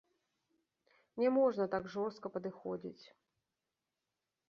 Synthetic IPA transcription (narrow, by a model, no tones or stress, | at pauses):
nʲɛmɔʐnɐt̪aɡʐɔrst̪kɐpɐd̪ɨxɔd͡zʲit͡sʲ